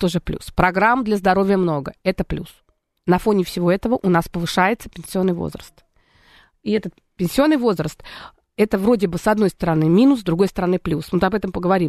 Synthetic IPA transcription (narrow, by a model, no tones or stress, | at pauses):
t̪oʐɨplʲṵspɾɐɡɾamd̪lʲəzd̪ɐɾo̞vʲɪjəmno̞ɡəɛt̪əplʲṵs | nɐfo̞nʲɪfsʲɪvo̞ɛt̪əvəʔʊnaspəvɨʂajɪt̪sə̥pʲɪnʲsʲɪo̞nːɨjvo̰zrə̰st̪ | iɛt̪ət̪̚ | pʲɪnʲsʲɪo̞nːɨjvo̞zɾəst̪ | ɛt̪əvɾo̞dʲɪbɨsɐd̪no̞jst̪əɾɐnɨmʲinʊsd̪ɾʊɡo̞jst̪əɾɐnɨplʲusmɨt̪ɐbɛt̪əmpəɡəvɐɾʲim